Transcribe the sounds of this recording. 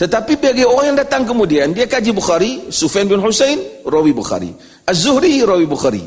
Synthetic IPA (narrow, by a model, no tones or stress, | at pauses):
t̪ətapibeɡeɔhɛndataŋk̬əmudiandiakad͡ʒibuxaɾisufenbinhusejnɾɔwibuxa̰ɾḭ | azuhɾiɾɔwibuxaɾḭ